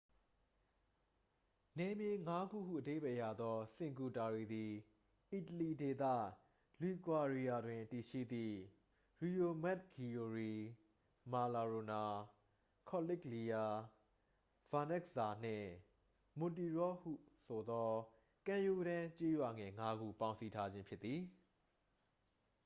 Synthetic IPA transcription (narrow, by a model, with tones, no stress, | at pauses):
nɛ˨mje˨ŋa˦ɡṵ˦˨ɦṵ˦˨ʔəde˦ɪbɛ˦˨ja˨d̪ɔ˦sɪ̃˨ŋku˨ta˨ɹe˨d̪i˨ | ʔi˨təli˨de˨t̪ä̰˦˨ | li˨kwa˨ɹi˦ja˨dwɪ̃˨ti˨ʃḭ˦˨d̪ḭ˦˨ | ɹi˨jo˨mɛ˦t̚kʰi˨jo˨ɹi˨ | ma˨la˨ɹo˨na˨ | kʰɔ˨lɪ˦kli˨ja˨ | v̥ã˨nɛ˦ksa˨n̥ɪ̰̃˦˨ | mʊ̃˨ti˨ɹɔ˦hṵ˦˨so˨d̪ɔ˦ | kã˨ju˦˨ɾã˦t͡ɕe˦jwa˨ŋɛ̃˨ŋa˦ɡṵ˦˨pã˨ʊ̃nsi˦tʰa˦d͡ʑɪ̃˦mpʰjɪ˦t̪t̪ːi˨